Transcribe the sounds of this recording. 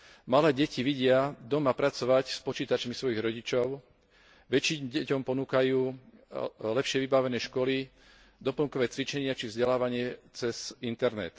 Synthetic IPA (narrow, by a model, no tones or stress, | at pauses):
malɛːɟɛciʋiɟɪad̪ɔmapɾat͡sɔʋacspɔt͡ʃiːt̪at͡ʃmisʋɔjiɣɾɔɟit͡ʃɔʊ | ʋɛt͡ʃiɟɛcɔmpɔnuːkajuː | lɛpʃɪɛʋibaʋɛnɛːʃkɔli | d̪ɔpl̩ŋkɔʋɛːt͡sʋit͡ʃɛɲɪat͡ʃivzɟɛlaːʋaɲɪɛt͡sɛzint̪ɛɾnɛ̰t̪